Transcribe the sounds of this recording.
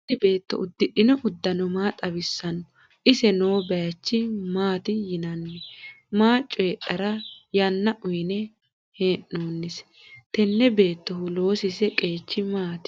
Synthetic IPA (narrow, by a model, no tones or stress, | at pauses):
t̪ːɪbe̞ːt̪ːɔ̰ʔʊd̪ːɪɗɪnɔʔʊd̪ːɐnɔmaːt̪ʼɐbɪsːɐnɔ | ʔɪsɛnoːbɛjɐt͡ʃːɪmaːt̪ɪjɪnɐnːɛ | maːt͡ʃʼːɔɛɗɐɾɐjɐnːɐʔʊjnɛ | heːnːoːnːɪs | t̪ɛnːɛbe̞ːt̪ːɔhʊlo̞ːsɪsɛkʼe̞ːt͡ʃːɪmaːt̪